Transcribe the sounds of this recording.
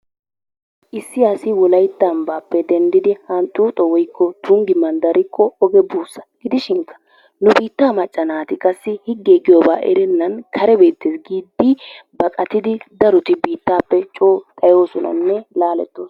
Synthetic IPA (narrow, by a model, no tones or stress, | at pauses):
ʔɪsːɪɐsɪwɔlɐjt̪ːɐmbaːpːɛd̪ɛnd̪ɪd̪ɪhɐnt̪ʼːuːt̪ʼɔwɔjkːɔt̪ʰuŋɡɪmːɐnd̪ɐɾɪkʰːɔɔɡɛbuːsːɐ̥ɡ̥ɪd̪ɪʃɪŋkːɐ̥ | nʊbiːt̪ːaːmɐt͡ʃʼːɐnaːt̪ɪkʼɐsːɪhɪɡːeːɡɪjoːba̰ːʔɛ̰ɾɛnːɐnkʰɐɾɛbe̞ːt̪ːeːsɡiːd̪ːɪbɐkʼɐt̪ɪd̪ɪd̪ɐɾʊt̪ɪbiːt̪ːaːpːɛt͡ʃʼoːt̪ʼɐjo̞ːsɔnɐ̰nːɛlaːlɛ̰t̪ːoːs